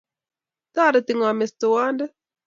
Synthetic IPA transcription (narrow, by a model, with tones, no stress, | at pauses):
t̪a˦ɾə˨t̪i˨ŋa˨me˨st̪u˨wa˦ndə˦